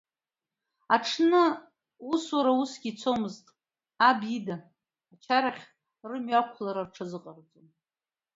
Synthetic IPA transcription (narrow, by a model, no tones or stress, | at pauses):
aʈ͡ʂʰnɨ | uswaɾausɡʲit͡sʷʰomɨztʼ | abidaː | t͡ʃʰaɾaχʲ | rɨmɥakʷʰlaɾarʈ͡ʂʰɨzɨqʼart͡sʼon